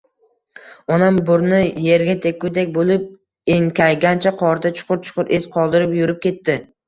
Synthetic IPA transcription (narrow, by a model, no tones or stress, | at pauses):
ɒnambʊɾnɪje̞ɾɡʲat̪ʰek̚ʲkʲʊd̪ekʲbolˠɪp̚ | eŋkʲajɡʲant͡ʃʰaqʰɒɾd̪at͡ʃʰʊ̥qʰʊɾt͡ʃʰʊ̥qʰʊɾʔesqʰɒlˠd̪ɪɾɪpjʊɾɪp̚kʲʰe̞t̪ːɪ